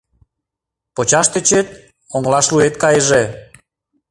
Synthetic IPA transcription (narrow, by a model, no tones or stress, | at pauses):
pot͡ɕɑʃt̪et͡ɕet̪̚ | oŋlɑʃluet̪kɑjəʒe